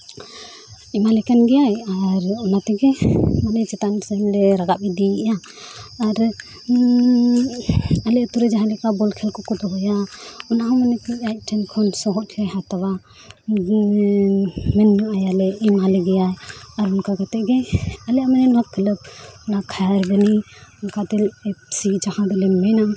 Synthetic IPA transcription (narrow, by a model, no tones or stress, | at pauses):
imalɛkɛnɡɛjajaɾɔnat̪ɛɡɛmanɛjt͡ʃɛt̪ansamlɛɾaɡapid̪ijaː | ɾ | alɛət̪uɾɛd͡ʒaɦalɛkabɔlkʰɛlkɔkɔd̪ɔɦɔjaɔnaɦɔmanɛt̪iajt̚ʈʰɛnkʰɔnsɔɦɔt̪̚ʰajɦat̪awa | mɛnːuʔajalɛimalɛɡɛjajaɾunkaɡat̪ɛʔɡɛalɛamanɛnɔɦakʰːələp̚unakʰajaɾbɛni | unkad̪ɛlɛsid͡ʒɔhãd̪ɛlɛmmɛjna